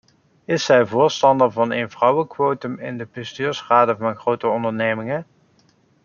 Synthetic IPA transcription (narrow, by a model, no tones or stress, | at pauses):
ɪsɛjvʊːɹstɑndəɹvɑnejnvrʌwəkʋowtəmɪ̰ndəpɪstyːɹsχaːdəvɑnɣrowtəɔndəɹnejmɪŋə